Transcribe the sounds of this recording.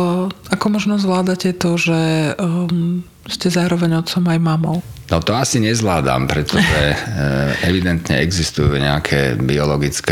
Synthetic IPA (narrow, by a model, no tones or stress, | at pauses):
akɔmɔʒnɔzʋlaːd̪acɛt̪ɔʒɛ | scɛzaːɾɔʋɛɲɔt̪t͡sɔmajmamɔʊnɔt̪ɔasiɲɛzʋlaːd̪a̰mpɾɛt̪ɔʒɛ | ʔɛʋid̪ɛnt̪ɲɛɛɡzist̪ujuɲɛakʰɛ̰biɔlɔɡit͡sk